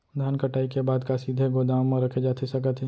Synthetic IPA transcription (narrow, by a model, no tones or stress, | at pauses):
d̪ʱaːnkɐʈaːikebaːd̪kasiːd̪ʱeɡod̪aːʋmẽɾɐkʰed͡ʒaːt̪ʰesɐkət̪ʰe